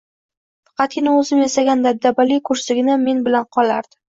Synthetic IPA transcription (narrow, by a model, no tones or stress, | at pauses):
fɑ̥qɑt̪̚kʲɪnaɵzɪmjasaɡʲand̪ad̪abalikʰʊɾsɪɡʲɪnɪme̞nbɪlanqʰɒlaɾd̪̥ɪ